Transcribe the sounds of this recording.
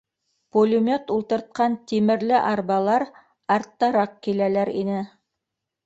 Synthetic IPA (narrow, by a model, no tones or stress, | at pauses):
pulʲimʲot̪ulˠt̪ɤ̆ɾt̪̚qɑnt̪imɘ̆ɾlɘʔɑɾβɑlˠɑɾ | ɑɾt̪ːɑɾɑq̚kilælæɾinɘ